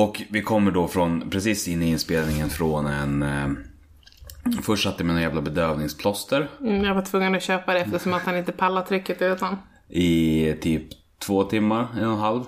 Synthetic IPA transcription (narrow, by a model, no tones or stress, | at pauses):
ɔkvɪkʰɔmːəɖɔfɾɔnpʰɾɛs̬iːsɪnːɪɪnspeːlnɪŋənfɾɔnɛn | fœʂʈʂat̪ːəmɛnanjæːvlabɛd̪øːvnɪŋspʰlɔst̪əɾjavaʈʰvɵŋːənɔɕøːpad̪ɛɛft̪əʂɔmat̪hanɪnt̪əpʰalːat̪ʰɾʏkːət̪ʉ̟ːt̪an | ʔɪt̪ʰyːp | t̪ʰvoːt̪ʰɪmːaɾɛnːɔnɦalv